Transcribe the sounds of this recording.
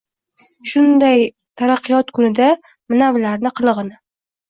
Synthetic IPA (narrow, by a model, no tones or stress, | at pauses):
ʃʊnd̪aj | t̪ʰaɾaqʰːɨjɒt̪kʰʊnɪd̪a | mɪnavlaɾnɪqʰɨlˠɨʁɨnɪ